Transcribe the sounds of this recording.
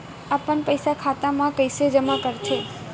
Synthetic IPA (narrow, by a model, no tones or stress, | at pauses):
apəɳpəjsakʰat̪amãkəjsed͡ʒəmakəɾt͡ʃʰe